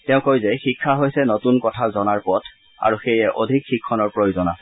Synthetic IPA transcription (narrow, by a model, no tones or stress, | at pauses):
tɛʊ̃kojzɛxikʰːaɦojsɛnotunkɔtʰazɔnaɹpɔtʰ | a̰ɹuxejɛʔodʱikxikʰːɔnɔɹpɹojozɔna